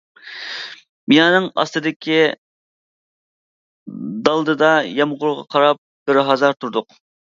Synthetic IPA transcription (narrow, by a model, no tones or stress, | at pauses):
mijɑːnɨŋɑ̰st̪ɨd̪ɪkʲi | d̪ɑlˠd̪ɨd̪ɑjɑmʁʊɾʁɑ̰qʰɑɾɑp̚ɡ̥ɪɾɦɑzɑɾt̪ʰuɾd̪ʊq